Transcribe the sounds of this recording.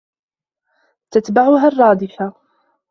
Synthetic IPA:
t̪at̪baʕʊɦarˤːɑːd̪ɪfa

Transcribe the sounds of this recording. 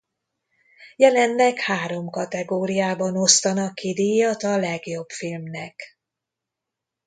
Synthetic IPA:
jɛlɛnlɛkhaːɾo̞mkɒt̪ɛɡoːɾijaːbɒnost̪ɒnɒkːid̪ijɒt̪ɒlɛɡjo̞bfilmnɛk

